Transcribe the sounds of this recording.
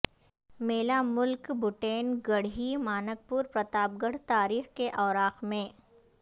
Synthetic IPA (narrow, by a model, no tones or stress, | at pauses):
meːlamʊlkbʊʈeːnɡəɽɦimaːnək̚puːɾpɾɐt̪aːp̚ɡəɽ̤t̪aːɾiːxkeʔɔːɾaːxmẽː